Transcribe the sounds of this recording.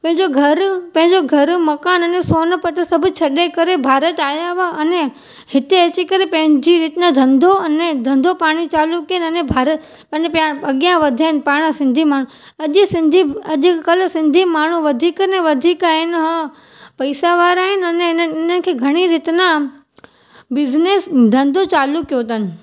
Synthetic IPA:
pɐ̃ɦɪ̃ɲd͡ʑoɡʱɐɾpɐ̃ɦɪ̃ɲd͡ʑoɡʱɐɾmɐkaːnɐnesoːnəpɐʈəsɐbʱʊ̆t͡ɕʰɐɗekɐɾebʱaːɾət̪aːjaʋaɐne | hɪt̪eɐt͡ɕikɐɾepɐ̃ɦɪ̃ɲd͡ʑiɾɪt̪ɪnãd̪ʱɐ̃nd̪ʱoɐnẽd̪ʱɐ̃nd̪ʱopaːɽ̃it͡ɕaːlukiənɐnẽbʱaːɾə | pɐnepaɐɠijãʋɐd̪ʱaːɪnpaːɽ̃əsɪ̃nd̪ʱimaːɳ̤ũ | ɐʄɪsɪ̃nd̪ʱiɐʄɪkɐlsɪ̃nd̪ʱimaːɳ̤uʋɐd̪ʱiːkəneʋɐd̪ʱiːkaːɦɪnɦə̃ | pɐɪsaʋaːɾaːɦɪnɐnenɪnənɪ̆kʰeːɡʱɐɽ̃iɾɪt̪nã | bɪznesd̪ʱɐ̃nd̪ʱot͡ɕaːlukːijot̪ɐnɪ̆

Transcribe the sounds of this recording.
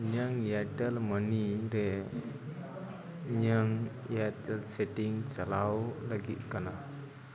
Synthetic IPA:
ɲaŋjaʈɛlməniɾɛ | ɲaŋ | jaʈɛlseʈiŋt͡ʃalawlaɡit̪̚kana

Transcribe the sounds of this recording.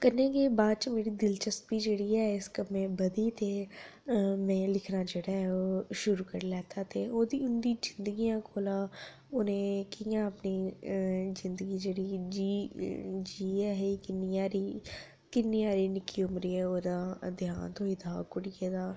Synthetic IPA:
kəɾneːkeːbaːd̪̚t͡ʃəmeːɾid̪ɪlt͡ʃəst̪̚biːd͡ʒeːɽiɦɛɪskəbmẽbəd̪it̪ʰeː | mɛ̃ːlɪkʰnad͡ʒeːɽaːɦɛoːʃʊɾuːkəɾlɛːt̪aːt̪ʰeːoːd̪iʊnd̪iːd͡ʒɪnd̪əɡijãːkʰoːlaː | ʊnẽːkijãəpni | zɪ̃nd̪əɡid͡ʒeːɽid͡ʒi | d͡ʒiːɛːɦikɪniaːɾi | kɪnːiaːɾinɪkːiʊmɾiːɛːoːd̪aːd̪jãːnt̪oːiːd̪ʱaːkʊɽieːd̪aː

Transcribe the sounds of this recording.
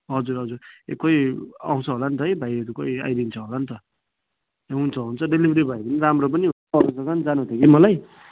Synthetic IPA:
ɦʌd͡zuɾɦʌd͡zuɾḛkʌja̰w̃t͡sʰʌɦolant̪ʌɦjbʱajʌɾukʌia̰jdint͡sʰʌɦolant̪ʌ | eɦunt͡sʰʌɦunt͡sʰʌɖelibʱʌɾibʱajbʌniɾamrop̬ʌniɦ | ʌbʌsʌkand͡zanũt̪ʰekimʌlaj

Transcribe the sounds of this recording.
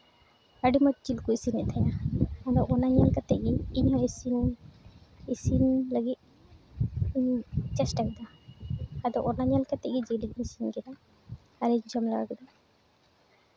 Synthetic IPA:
aɖimɔt̪̚t͡ʃilkuisinɛʔt̪ʰajnaad̪ɔʔɔnaɲalkat̪ɛʔɡiiɲhɔ̃isin | isinləɡit̪̚ | iɲt͡ʃɛsʈakɛd̪aː | d̪ɔʔɔnaɲalkat̪ɛʔɡid͡ʒelic̚misinɡɛd̪a | aɾiɲd͡ʒɔmlaɡa̰kɛd̪a

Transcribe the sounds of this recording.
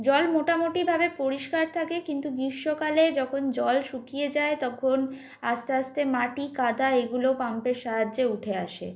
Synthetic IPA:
d͡ʑɔlmoʈamoʈibʱabepoɾiʃkaɾt̪ʰakekint̪ubɾiʃːokaled͡ʑɔkʰond͡ʑɔlʃukied͡ʑaet̪ɔkʰon | ast̪east̪emaʈikad̪aeɡulopampeɾʃaɦadːeuʈʰeaʃḛ

